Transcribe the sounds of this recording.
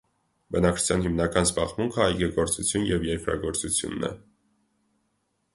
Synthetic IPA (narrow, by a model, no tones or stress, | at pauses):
bənɑk̚t͡ʃʰu̥t͡sʰjɑnɦimnɑkɑnzbɑʁmuŋkʰəɑjɡɛɡɔɾt͡sut͡sʰjunjɛvjɛɾkɾɑ̰ɡɔɾt͡sut͡sʰjṵnːɛ̰